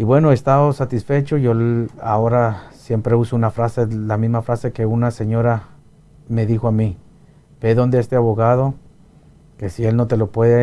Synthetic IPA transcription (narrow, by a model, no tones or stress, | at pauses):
iβwe̞no̞e̞st̪aosat̪isfe̞t͡ʃo̞ʝo̞ao̞ɾasje̞mpɾe̞usounafɾase̞lamizmafɾase̞ke̞unase̞ɲo̞ɾa | me̞ðixoami | b̥e̞ðo̞nd̪eest̪e̞aβo̞ɣað̞o̞ | ke̞sie̞lno̞t̪e̞lo̞pwe̞ðe